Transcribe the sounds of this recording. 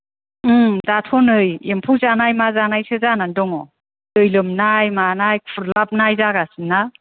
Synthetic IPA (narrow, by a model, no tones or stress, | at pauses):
ɯdatʰɔnɯjempʰuzanajmazanajsɯzanandɔŋɔ | dɯjlɯmnajmanajkʰuɾlap̚najzaɡasɯna